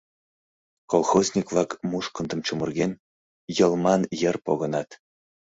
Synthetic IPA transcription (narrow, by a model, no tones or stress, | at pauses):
kolˠxozʲnʲikvlˠɑkmuʃkɤ̆nd̪ɤ̆mt͡ɕumɤ̆rɣʲenʲ | jɤ̆lˠmɑnjə̆rpoɣɤ̆nɑt̪